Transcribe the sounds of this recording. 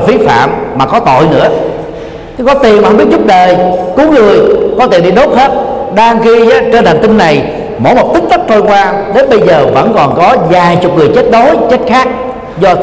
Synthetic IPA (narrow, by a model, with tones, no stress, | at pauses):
fi˨˦fa̰ː˧˨mːaː˨˩kɔ˨˦t̪o̰˧˨jnɨ̰˧˥ə˨˦ | kɔ˨˦t̪i˨˩nma˨˩˨ɓi˦˥t̚zʊ˦˥k͡p̚ɗəː˨˩jku˨˦ŋŋɨ˨˩əjkɔ˨˦t̪i˨˩nɗi˧˩t̪o˦˥p̚he˦˥t̚ɗaː˧ŋxi˧za˨˧˩t͡ɕəː˧nt̪aː˨˩ŋt̪ï˧ŋːa˨˩j | mo̰˧˩˦jmo˨˩t̚t̪i˦˥k̚t̪ə˦˥k̚t̪ʰo˧jkwaː˧ɗe˨˦nɓə˧jzəː˨˩və̰˧˥nkɔ˨˩nkɔ˨˦zaː˨˩jt͡ɕʊ˨˩k͡p̚ŋɨ˨˩əjt͡ɕe˦˥t̚ɗo˨˦jt͡ɕə˦˥t̚xaː˦˥k̚ | zɔ˧